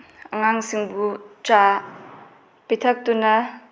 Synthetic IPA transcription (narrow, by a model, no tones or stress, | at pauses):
aŋaŋsiŋbut͡ʃa | pit̪ʰɐk̚tunɐ